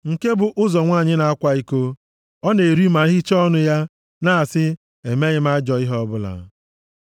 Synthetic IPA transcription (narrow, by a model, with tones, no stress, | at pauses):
ŋ̩˨ke˦bʊ˨ʔʊ˦zɔ˨ŋʷaː˦˨ɲɪ˦na˨a˦kʷa˦i˦ko˦ | ɔ˦ne˨ɾi˦ma˨˦ɦi˦t͡ʃɔ˦nʊ˦ja˦ | na˦a˨sɪ˦ | e˨me˦ɲɪ˦m˦a˦d͡ʒɔ˨i˦ɦɔ˦bʊ˦la̰˨˦